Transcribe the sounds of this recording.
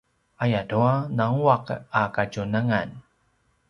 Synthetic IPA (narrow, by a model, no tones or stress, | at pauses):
ʔajaduanaŋuaqakaɟunaŋan